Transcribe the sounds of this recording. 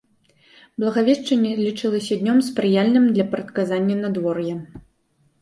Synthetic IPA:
blˠɐɣavʲɛʂt͡ʂɐnʲːɛlʲit͡ʂɨlˠɐsʲɐd̪ʲnʲɔmspɾɨjalʲnɨmd̪lʲɐpɐɾɐt̪̚kazanʲːɐnad̪vɔrjɛ

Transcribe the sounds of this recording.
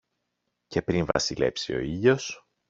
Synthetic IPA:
ce̞pɾinvɐ̰sile̞psio̞iʎo̞s

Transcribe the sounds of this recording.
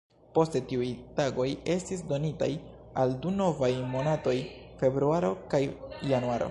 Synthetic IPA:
po̞stetiujtaɡo̞je̞stis̬do̞nita̰j | alduno̞vajmo̞nato̞jfe̞bɾuaɾo̞kajjanuaɾo̰

